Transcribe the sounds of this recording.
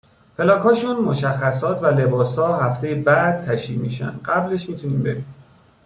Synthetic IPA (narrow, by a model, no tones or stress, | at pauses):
pʰe̞lɒːkʰhɒːʃunmoʃæxːæsɒːt̪ʰvæle̞bɒːshɒːhæft̪ʰe̞jebæd̪̥̚t̪ʰæʃiːmiːʃæ̰nd̪̥ɢæble̞ʃmiːt̪ʰuniːmbe̞biːm